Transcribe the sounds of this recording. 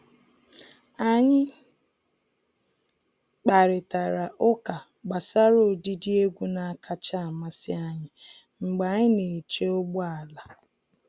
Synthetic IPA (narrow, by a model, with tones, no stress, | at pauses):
a˦ɲɪ˦ | k͡pa˨ɾɪ˨ta˨ɾa˨ʔʊ˦ka˨ | ɡ͡ba˨sa˦ɾo˦˨di˦di˦e˦ɡʷu˦na˨a˨kʰa˦t͡ʃa˦a˨ma˦sɪ˦a˦ɲɪ˦ | ŋ͡m̩˨ɡ͡ba˨˦ɲɪ˦ne˨t͡ʃe˦o˦ɡ͡bu˦a˨la˨